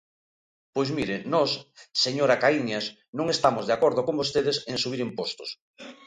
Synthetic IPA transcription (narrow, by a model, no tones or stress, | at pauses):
pojzmiɾenɔsːeɲoɾakaiɲas | nõŋest̪amozðeakoɾðokõmbost̪eðeseŋsuβiɾimpost̪o̥s